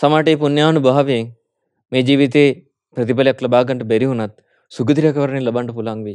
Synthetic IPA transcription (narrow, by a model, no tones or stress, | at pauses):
sɐmaːʈeːpunjaːnubɐɦɐʋeŋ | meːd͡ʒiːʋit̪̬eː | pɾɐt̪̬ipɐljɐklɐbaːɡɐɳʈɐbeɾiɦunɐt̪̚ | suɡɐd̪ɾjɐkɐʋɐɾɐnilɐbɐɳʈɐpulaŋʋe